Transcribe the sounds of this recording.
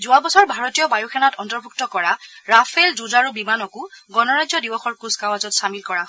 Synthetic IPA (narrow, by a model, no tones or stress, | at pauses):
zʊabɔsɔɹbʱaɹɔtijɔbajuxʰɛnatɔntɔɹbʱuk̚tɔkɔɹaɹapʰɛlzuzaɹubimanɔkuɡɔnɔɹazɔdibɔxɔɹkuskawazɔtsamilkɔɹaɦ